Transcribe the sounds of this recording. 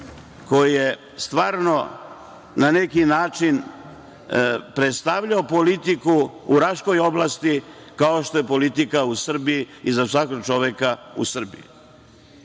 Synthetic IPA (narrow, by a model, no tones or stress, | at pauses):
ko̞jije | st̪ʋaːɾno̞ | nanekinaːt͡ʃin | pɾet̪st̪aʋʎaopo̞lit̪ikuuɾaʃko̞jo̞blˠast̪ikao̞ʃt̪o̞jepo̞lit̪ikausr̩biiizasʋakoɡ̚t͡ʃoʋekaṵsr̩bḭḭ